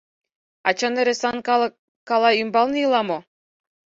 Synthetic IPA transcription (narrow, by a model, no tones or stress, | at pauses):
ɑt͡ɕɑnĕɾĕsɑnk | kɑlˠɑymbɑlˠnijɯlˠɑmo